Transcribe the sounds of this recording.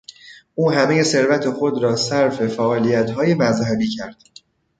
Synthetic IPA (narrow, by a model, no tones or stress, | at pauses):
ʔuːɦæmeje̞se̞ɾvæt̪ʰexo̞d̪ɾɒːsæɾfe̞fæʔɒːlijæt̪hɒːje̞mæzhæbiːcʰæɾd̪̥